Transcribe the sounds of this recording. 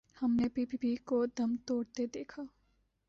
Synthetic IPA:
hɐmnepiːpipikod̪ɐmt̪oːɽt̪ed̪eːkʰaː

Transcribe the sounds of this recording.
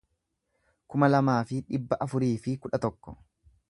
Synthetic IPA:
kʊmɐlɐmaːfɪᶑɪbːɐʔɐfʊɾiːfɪkʊᶑɐt̪ɔkːɔ̥

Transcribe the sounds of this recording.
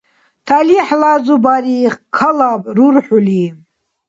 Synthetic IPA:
tʰaliħlazubaɾiχkʰalabʼɾurħuli

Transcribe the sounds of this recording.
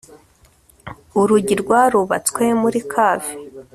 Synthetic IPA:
uɾuɟiɾɡwaɾuβat͡swemuɾikʰaːvi

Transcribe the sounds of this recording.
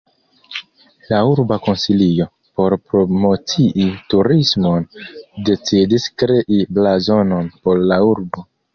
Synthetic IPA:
lauɾbako̞nsilio̞ | po̞ɾpɾo̞mo̞t͡siʔituɾismo̞nde̞t͡sidiskɾe̞ʔiblazo̞no̞npo̞ɾlauɾbo̞

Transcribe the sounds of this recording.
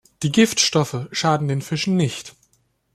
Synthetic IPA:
d̥iːɡɪftʃtɔfəʃaːdn̩deːnfɪʃn̩nɪçt

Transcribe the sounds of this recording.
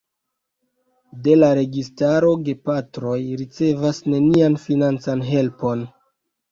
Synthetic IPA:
de̞laɾe̞ɡistaɾo̞ɡe̞patɾo̞jɾit͡se̞vasne̞nianfinant͡sanɦe̞lpo̞n

